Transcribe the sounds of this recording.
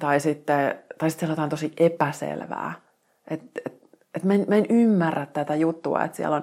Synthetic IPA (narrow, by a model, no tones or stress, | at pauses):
t̪ɑisit̪ːet̪ɑisit̪selot̪ɑnt̪osiʔepæsḛlʋæ̰ː | ʔet̪et̪ | et̪mæenmæenymːærːæt̪t̪æt̪æjut̪ːuɑ̰ḛt̪siæ̰lon